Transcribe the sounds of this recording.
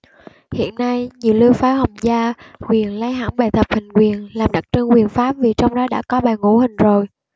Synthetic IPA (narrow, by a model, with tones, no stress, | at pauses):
hḭ˧˨ənːa˧jɲi˨˩əwli˧wfaː˨˦hə˨˩wŋ͡mzaː˧kwi˨˩ənla˨˦jɦa̰ː˧˥ŋɓaː˨˩jt̪ʰə˨˩p̚hï˨˩ŋ̟kwi˨˩ənlaː˨˩mɗa˨˩k̚t͡ɕɨ˧ŋkwi˨˩ənfaː˦˥p̚vi˨˩t͡ɕɔ˧wŋ͡mɗɔ˨˦ɗa̰ː˧˥kɔ˨˦ɓaː˨˩jŋṵ˧˥hï˨˩ŋ̟zo˨˩j